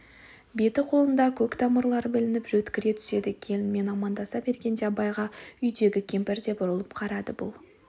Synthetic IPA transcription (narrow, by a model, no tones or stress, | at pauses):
be̞t̪ɪqʰo̞lˠənd̪ɑkʲʰɵkt̪ʰɑməɾlˠɑɾəbɪlɪnɪpʒɵt̪kʲɪɾe̞t̪ʰʏ̥se̞d̪ɪkʲʰejɪnme̞nɑmɑnd̪ɑsɑbe̞ɾɡʲe̞nd̪ebɑjʁɑʏjd̪e̞ɡʲɪkʲʰe̞mpɪɾd̪e̞bʊɾəlˠəpqʰɑɾɑd̪əbʊ̰lˠ